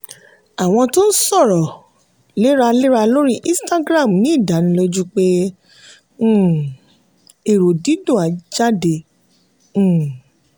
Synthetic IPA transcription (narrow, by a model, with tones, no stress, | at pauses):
a˨w̃ɔ̃˧to˦n̩˦sɔ˦˨ɾɔ˨ | le˦ɾa˧le˦ɾa˧lo˦ɾi˦ʔĩ˦sta˦ɡɾa˦˨m˨nĩ˨˦˨da˨˦nĩ˦lo˦d͡ʒu˦k͡pe˦˨ | e˨ɾo˨di˨˦dũ˦˨a˨˦d͡ʒa˦dẽ˧˦˨